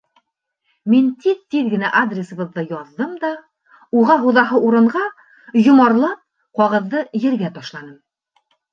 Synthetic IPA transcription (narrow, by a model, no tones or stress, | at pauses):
mint̪iðt̪iðɡɘ̆næʔad̪rʲɪsɤ̆βɤ̆ðːɤjɒðːɤmd̪ɑ | uʁɑɦuðɑɦɤʔuɾɤ̆ɴʁɑ | jŏmɑɾlˠɤ | qɒʁɤ̆ðːɤjɘ̆ɾɡæt̪ɒʃlˠɑnɤm